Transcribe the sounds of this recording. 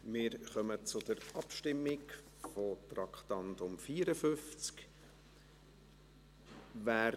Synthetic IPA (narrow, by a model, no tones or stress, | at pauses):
mɪːɾχœmət͡sʊd̪̥əɾɑpʃtɪmːɪk | fotɾɑkχt̪ɑnt̪ʊmfiːɾəfʏft͡sk | væː